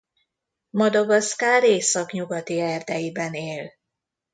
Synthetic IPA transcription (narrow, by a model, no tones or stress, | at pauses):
mɒd̪oɡɒskaːɾeːsɒkɲuɡɒt̪iɛrd̪ɛjibɛneːl